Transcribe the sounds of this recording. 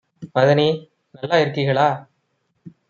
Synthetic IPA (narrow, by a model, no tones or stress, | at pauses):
mɐðɐniː | nɐlːaːɪɾɯkːiɣɐɭaː